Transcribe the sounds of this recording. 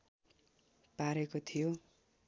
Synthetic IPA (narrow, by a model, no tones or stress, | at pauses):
paɾekot̪ʰijo